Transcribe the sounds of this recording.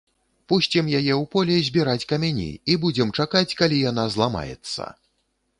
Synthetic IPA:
pusʲt͡sʲɛmjajɛwpɔlʲɛzʲbʲiɾat͡sʲkɐmʲanʲḭibud͡zʲɛmt͡ʂakat͡sʲkalʲijan̪azlˠama̰jɛ̰t̪sːɐ̰

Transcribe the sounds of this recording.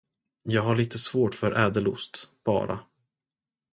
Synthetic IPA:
jɑːɡɦaɭiːt̪ʰəsvoːʈfœɾʔɛːd̪əlʊ̰st̪b̥ɑ̰ːɾʔa̰

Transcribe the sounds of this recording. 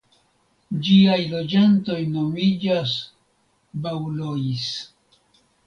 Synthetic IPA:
d͡ʒiajlo̞d͡ʒanto̞jno̞mid͡ʒas | bawlois

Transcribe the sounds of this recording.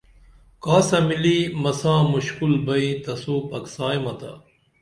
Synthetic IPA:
kaːsɐmilimɐsãːmuɕkulbɐĩːt̪ɐsuːpɐksaːjmɐt̪a̰

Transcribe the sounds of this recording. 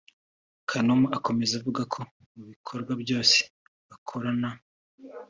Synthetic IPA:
kʰanomuako̞me̞zuvuɡakʰo̞ | muβikʰo̞ɾɡwabjo̞ːse̥ | βakʰo̞ɾana

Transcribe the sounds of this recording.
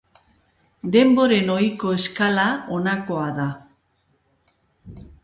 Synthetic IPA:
d̪e̞mbo̞ɾe̞no̞iko̞e̞skalaonako̞aða

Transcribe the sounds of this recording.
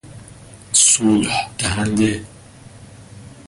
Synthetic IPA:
suːlħd̪̥æɦænd̪e

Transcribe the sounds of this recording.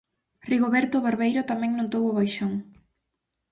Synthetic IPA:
riɣoβɛɾt̪oβeɾβejɾʊt̪amɛ̃ŋnõnt̪owʊβajʃoŋ

